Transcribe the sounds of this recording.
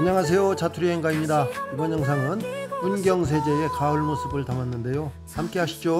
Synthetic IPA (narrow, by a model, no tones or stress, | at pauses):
ɯɲaŋɦas̬ʰejot͡ɕatʰuɾiɦenɡaimɲidaibʌnjʌŋs̬ʰaŋɯnunɡjʌŋs̬ʰe̞d͡ʑe̞e̞kaɯɭmosʰɯbɯɭtamanːɯnde̞jo | hamk͈e̞ɦaɕʰi̥d͡ʑo